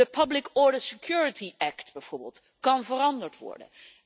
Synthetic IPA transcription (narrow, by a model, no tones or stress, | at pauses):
əpʰəblɪkɔɹdəsekjuːɹɪtiʔɛktbɛjv̥oːɹbḛːlˠt | kɑnvəɾɑndəɹtʋɔ̰ɹdə̰n